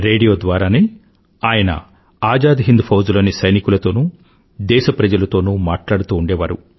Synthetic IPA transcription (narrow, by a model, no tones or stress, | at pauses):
ɾe̞ːɖijo̞ːd̪ʋaːɾaːneː | aːjɐnɐ̰ | aːd͡ʒaːd̪iɦind̪upʰɐwzlo̞ːnisɐjnikulɐt̪o̞ːnu | d̪ɛːʃɐpɾɐd͡ʒɐlɐt̪o̞ːnuːmaːʈlaːɽut̪uːɳɖɛːʋaːɾu